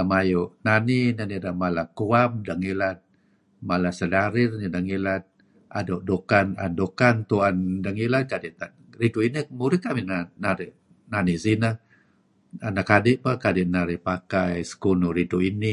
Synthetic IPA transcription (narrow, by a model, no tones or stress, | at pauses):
amajoʔnaninanidahmalakuap̚daŋilat̪̚ | malasədaɾɪrnidaŋilat̪̚ | a̰doʔdukana̰ndokant̪uandaŋilat̪̚kadiʔt̪a | ɾiduinimuɾɪkaʔminanaɾɪʔ | nanisinə | anakadɪʔpakadɪʔnaɾɪpakajsə̥kunuɾiduini